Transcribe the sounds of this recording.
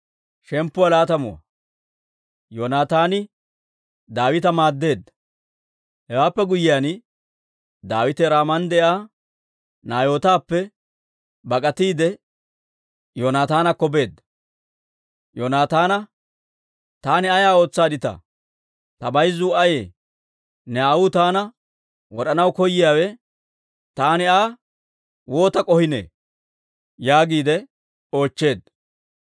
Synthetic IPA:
ʃɛmpːʊwɐlaːt̪ɐmʊwɐ̰ | joːnaːt̪aːnɪ | d̪aːwɪt̪ɐmaːd̪ːe̞ːd̪ːɐ̥ | hɛwaːpːɛɡʊjɪjaːn | d̪aːwɪt̪ɛɾaːmɐnd̪ɛʔaː | naːjo̞ːt̪aːpːɛ | bɐkʼɐt̪iːd̪ɛ | jonaːt̪aːnɐkɔbe̞ːd̪ːɐ̥ | joːnaːt̪aːnɐ | t̪aːnɪɐjaːo̞ːt͡sːaːd̪ɪt̪ɐ̰ | t̪ɐbɐjzʊɐjeː | nɛawʊt̪aːnɐ | wɔɗɐnɐwkɔjːɪjaːwɛ | t̪aːnɪaː | wo̞ːt̪ɐkʼɔhɪnḛː | jaːɡiːd̪ɛ | o̞ːt͡ʃːe̞ːd̪

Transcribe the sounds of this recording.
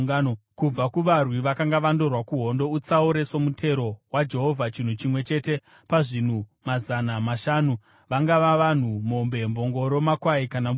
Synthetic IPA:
nokub͡vakuʋarwiʋakaŋɡaʋando̞rwakuɦo̞ndo̞ut͡sauɾe̞so̞mutʰe̞ɾo̞wad͡ʒe̞ɦo̞vʱat͡ʃin̤ut͡ʃimwe̞t͡ʃe̞te̞ | paʐin̤umazanamaʃaːnu | ʋaŋɡaʋaʋan̤umo̞mbe̞mbo̞ŋɡo̞ɾo̞makwaikana

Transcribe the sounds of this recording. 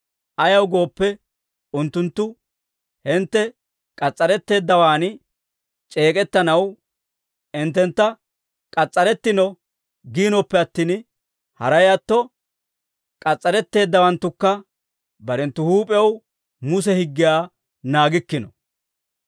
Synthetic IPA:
ʔɐjɐwɡo̞ːpːɛ | ʊnt̪ːʊnt̪ːʊ | hɪnt̪ːɛ | kʼɐt͡sʼːɐɾɛt̪ːe̞ːd̪ːɐwaːn | t͡ʃʼe̞ːkʼɛt̪ːɐnɐw | ɪnt̪ːɛnt̪ːɐ | kʼɐt͡sʼːɐɾɛt̪ːɪnɔ | ɡiːnɔpːɛɐt̪ːiːn | hɐɾɐjɐt̪ːɔ | kʼɐt͡sʼːɐɾɛt̪ːe̞ːd̪ːɐwɐnt̪ːʊkːɐ | bɐɾɛnt̪ːʊhuːpʼɐw | mʊs̬ɛhɪɡːɪjaː | naːɡɪkːɪnɔ

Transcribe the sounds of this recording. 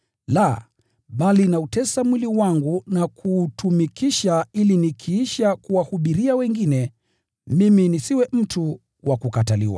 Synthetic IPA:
la | ɓalinautɛsamwiliwaŋɡunakʰuːtumikiʃailinikʰiiʃakuwahuɓiɾiawɛŋɡinɛ | miminisiwɛm̩tu | wakukatalḭwa̰

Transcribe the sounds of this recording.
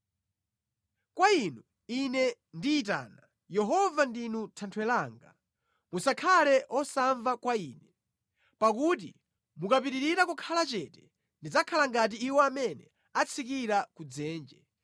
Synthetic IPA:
kwainu | inɛ | ndiːt̬a̰ːna | jɛɦɔvandinutʰantʰwɛlaːŋɡa | musakʰalɛʔɔsaɱvakwaiːnɛ | pakut̬ḭ | mukap̬iɾiɾiɾakukʰalat͡ʃɛtɛ̥ | ndid͡zakʰalaŋɡat̬iːwɔamɛnɛ | at͡sʰikiɾakud͡zɛːnd͡ʒɛ

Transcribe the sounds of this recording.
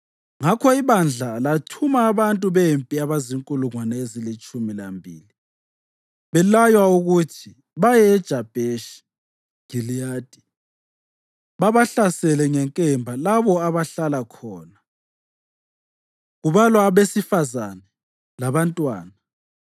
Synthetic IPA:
ŋakʰɔiβand͡ɮʱalatʰumaːβantʼuβempʼiaβaziŋkʼuluŋwanɛezilit͡ʃʼumilambʱḭːli | βɛlajwauɣutʰi | βajɛːd̥ʒ̥ʱab̥ʱeʃi̥ | ɡ̥ʱiliaːd̥ʱʼi | βaβaɬasɛlɛŋɛŋkʼɛmbʱalaβɔaβaɬalakʰɔːna | ɣuβalwaβesifazanɛ | laβantʼwaːna

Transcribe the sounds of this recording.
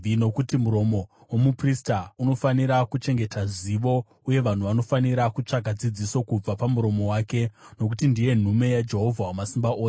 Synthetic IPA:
no̞kutimuɾo̞mo̞ | womupristauno̞faniɾakut͡ʃe̞ŋɡe̞tʰaʐiʋo̞ | uje̞ʋan̤uʋano̞faniɾakut͡ʂaɡʱad͡zid͡ziso̞kub͡vapamuɾo̞mo̞waːke̞no̞k̬utindije̞n̤ume̞jad͡ʒe̞ɦo̞vʱawamasimbaʔoːs

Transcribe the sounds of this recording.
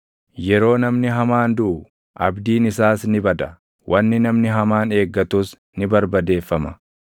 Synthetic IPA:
jɛɾo̞ːnɐmnɪɦɐmaːnd̪ʊʔʊ | ʔɐbd̪iːnɪsaːsnɪbɐd̪ɐ | wʔɐnːɪnɐmnɪɦɐmaːne̞ːɡːɐt̪uːs | nɪbɐɾbɐd̪e̞ːfːɐmɐ

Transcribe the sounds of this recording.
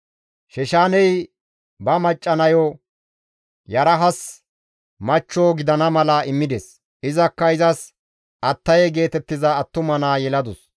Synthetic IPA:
ʃɛʃaːnɛj | bɐmɐt͡ʃʼːɐnɐjo | jɐɾɐɦɐs | mɐt͡ʃːoːɡɪd̪ɐnɐmɐlɐɪmːɪd̪es | ʔɪzɐkːɐɪzɐs | ʔɐt̪ːɐjɛɡe̞ːt̪ɛt̪ːɪzɐːt̪ːʊmɐnaːjɛlɐd̪ʊs

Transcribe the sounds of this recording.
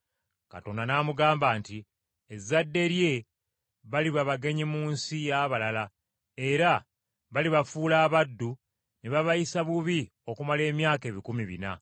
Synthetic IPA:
ka̰to̞ndanaːmuɡaːmbaːnti | ezːadːe̞ɾje̞ | βaliβaβaɡe̞ɲimuːnsijaβalala | e̞ɾa | βaliβafuːlaːβadːu | neβaβajisaβuβi | o̞kumale̞ːmjaːke̞ːβikumiβḭna̰

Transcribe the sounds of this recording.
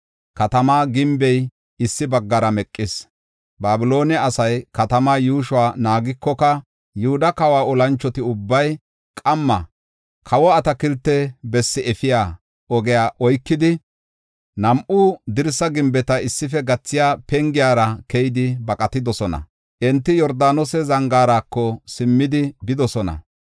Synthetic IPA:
kɐt̪ɐmaːɡɪmbɛj | ɪsːɪbɐɡːɐɾɐmɛkʼːɪs | baːbɪlo̞ːnɛɐsɐjkɐt̪ɐmaːjuːʃʊwaːnaːɡɪkːɔkɐ | jʊhʊd̪ɐkɐwaːɔlɐnt͡ʃːɔt̪ɪʊbːɐj | kʼɐmːɐ | kʰɐwɔɐt̪ɐkɪlt̪ːɛbɛsːɪɛfɪjaː | ʔɔɡɛjaːʔɔjkːɪd̪ɪ | nɐmʔʊd̪ɪɾsɐɡɪmbɛt̪ɐɪsːɪfɛɡɐt͡sːɪjaːpɛŋɡɪjaːɾɐkɛjɪd̪ɪbɐkʼɐt̪ɪd̪ɔsɔnɐ̰ | ʔɛnt̪ːɪjɔɾd̪aːnɔsɛzɐŋɡaːɾakːɔsɪmːɪd̪ɪbɪd̪ɔsɔnɐ̰

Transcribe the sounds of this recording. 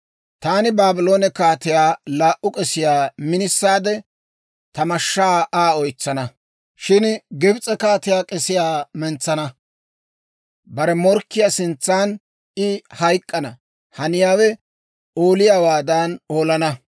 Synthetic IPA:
t̪aːnɪbaːbɪlo̞ːnɛkaːt̪ɪjaːlaːʔʊkʼɛsɪjaːmɪnɪsːaːd̪ɛ | t̪ɐmɐʃːaːʔaːɔjt͡sːɐnɐ | ʃɪnɡɪbt͡sʼɛkaːt̪ɪjaːkʼɛsɪjaːmɛnt͡sːɐnɐ | bɐɾɛmɔɾkːɪjasɪnt͡sːaːn | ɪhɐjkʼːɐnɐ | hɐnɪjaːwɛ | oːlɪjaːwaːd̪aːno̞ːlɐnɐ

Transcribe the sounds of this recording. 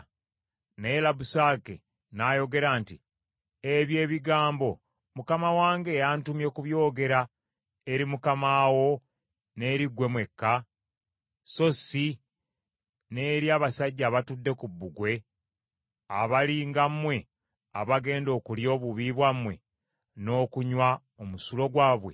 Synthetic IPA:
ne̞ːlabusaːke̞̰ | najo̞ɡe̞ɾaːnti | eβje̞ːβiɡaːmbo̞ | mukamawaːŋɡe̞jantumje̞kuβjo̞ːɡe̞ɾa | eɾimukamaːwo̞ | ne̞ːɾiɡwe̞mwe̞kːa | so̞si | ne̞ːɾjaːβasaɟːaːβatudːe̞kubːuɡwe̞ | aβaliːŋɡamːwe̞ | aβaɡe̞ːndo̞ːkuljo̞ːβuβiβwamwe̞̰ | no̞ːkuɲwa | omusulo̞ɡwaːβwe

